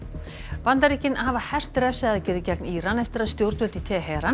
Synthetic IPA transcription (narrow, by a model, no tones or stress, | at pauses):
pant̪aɾihcɪnahaːvahɛr̥t̪ɾɛfsaaðacɛːɾɪðcɛkniːɾanɛft̪ɪɾaðst̪jowɾt̪vœt̪it̪ʰɛːɦɛːɾan